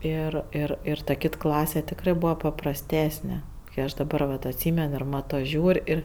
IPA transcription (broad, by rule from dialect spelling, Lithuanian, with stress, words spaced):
ˈɪr ɪr ˈɪr tɐ ˈkʲɪt ˈklˠɑːsʲɛ tʲɪkˈrɜ ˈbuːʋɐ pɐprɐsʲˈtʲæːsʲnʲɛ kɜ ˈɐʃ dɐˈbɐr ʋɐt ɐtʲˈsʲiːmʲɛn ɪr ˈmɑːtoː ˈʒʲuːrʲ ˈɪr